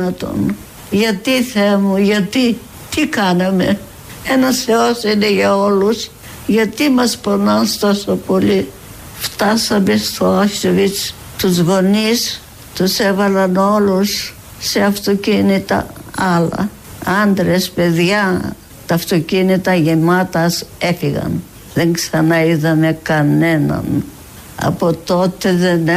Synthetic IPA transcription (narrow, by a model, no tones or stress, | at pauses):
ɐt̪o̰n | ʝɐt̪iθemuʝɐt̪i | t̪ikɐnɐme̞ | enɐseosineʝɐo̞lus | ʝɐt̪imɐsponɐnst̪o̞sopo̞li | ft̪ɐsɐmest̪oɐsovit͡s | t̪uzɣo̞nis | t̪usevɐlɐnolusː | e̞ɐft̪ocinit̪ɐ̰ɐlɐ̰ | ɐnd̪ɾe̞spe̞ðʝɐ | t̪ɐːft̪o̞cinit̪ɐʝemɐt̪ɐse̞fiɣɐ̰n | ðeŋksɐnɐiðɐmekɐne̞nɐ̰n | ɐ̰pot̪o̞t̪eðene